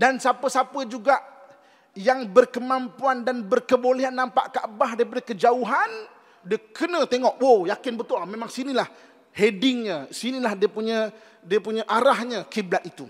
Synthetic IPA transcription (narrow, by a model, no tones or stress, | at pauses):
dansapəsapəd͡ʒuɡaʔ | jaŋbərkəmãmpuandanbərkəboleɦanːãmpa̰ʔkəʔəbahɦdaɾip̬adakəd͡ʒauɦan | diəkənə̃t̪eŋɔʔwojakɪnbət̪ʊmẽmãŋsinilah | hedɪŋɲə̃sinilahdiəpuɲã | diəpuɲaʔaɾahɲəkiblat̪it̪u